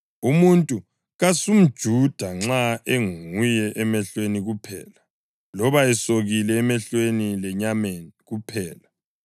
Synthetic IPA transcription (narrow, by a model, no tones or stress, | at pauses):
umuntʼu | ɣasum̩d̥ʒ̥ʱud̥ʱaŋ͡ǁaeŋŋujɛʔɛmɛɬweniɣupʰɛ̰ːla | lɔβaɛsoɣilɛːmɛɬwenilɛɲameːniɣupʰɛːla